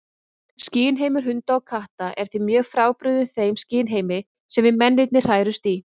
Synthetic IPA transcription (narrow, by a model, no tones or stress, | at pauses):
sciːnɦejmʏɾ̥ɦʏnt̪aɔkʰaht̪aʔɛɾ̥θimjœːɣfɾaːwpɾʏðʏnθejmsciːnɦeːjmɪ | sɛmvɪmɛnːɪt̪nɪr̥aːjɾʏst̪i